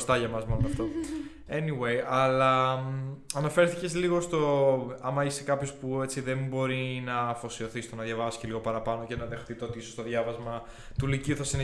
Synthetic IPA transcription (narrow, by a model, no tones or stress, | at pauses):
st̪ɐʝɐmɐzmolonɐft̪o̞ | e̞niwejɐlɐ | ɐnɐfe̞ɾθice̞zliɣo̞st̪o̞ɐmɐisekɐpço̞spuet͡siðe̞mbo̞ɾinɐfo̞sio̞θist̪onɐðʝɐvɐsi̥celiɣo̞pɐɾɐpɐno̞cenɐðe̞xθit̪eo̞t̪iisost̪o̞ðʝɐvɐzmɐ | t̪uliciuθɐsin